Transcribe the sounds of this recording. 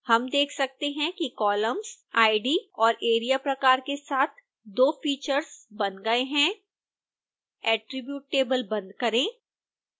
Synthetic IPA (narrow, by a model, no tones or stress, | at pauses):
hɐmd̪eːkʰsɐk̚t̪eɦɛ̃kikɔːləmz̥ | aːɪɖiɔːɾʔeːɾijapɾɐkaːɾkesaːt̪ʰ | d̪oːfiːt͡ʃəɾzbɐ̃nd̪ɡɐeɦɛ̃ | ɛːʈɾɪbjuːʈ̚ːeːbəlbɐ̃nd̪̚kɐɾẽː